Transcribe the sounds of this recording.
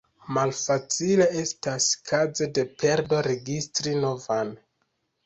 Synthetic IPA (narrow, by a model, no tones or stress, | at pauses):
malfat͡sile̞e̞staskʰaze̞de̞pʰe̞ɾdo̞ɾe̞ɡistɾino̞van